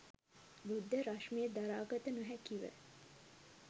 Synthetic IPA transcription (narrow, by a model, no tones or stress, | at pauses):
bud̪ːəɾaʃmejed̪aɾaːɡɐt̪ənuɦækiʋə̰